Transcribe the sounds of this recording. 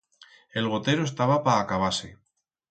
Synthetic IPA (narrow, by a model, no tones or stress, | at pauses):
e̞lɣ̞o̞t̪e̞ɾoes̬t̪aβapaːkaβ̞ase